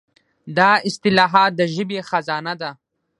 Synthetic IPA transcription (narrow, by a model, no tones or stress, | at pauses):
d̪ɑɪst̪ɪlɑːɦɑːt̪̚d̪əʒɪbexazɑːnad̪a